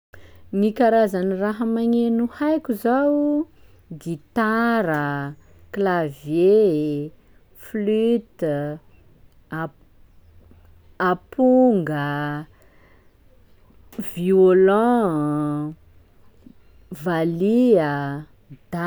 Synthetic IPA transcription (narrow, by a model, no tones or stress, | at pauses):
nikaɾazaniraɦəmaɲenuhajkʲuzaw | ɡit̪aɾə | klavje | flyt̪ | apuŋɡə | violɔ̃ | valiə | d̪̥a